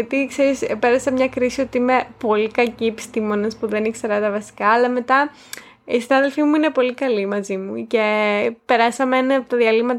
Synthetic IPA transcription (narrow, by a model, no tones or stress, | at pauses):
ɐt̪ikse̞ɾispe̞ɾɐsɐmɲɐkɾisio̞t̪iime̞po̞likɐciepi̥st̪imo̞nespuðe̞nikseɾɐt̪ɐvɐsi̥kɐːlɐme̞t̪ɐ | isinɐðe̞lfimuine̞po̞likɐlimɐzimuce̞pe̞ɾɐsɐmenɐɐpot̪ɐðiɐlimɐt̪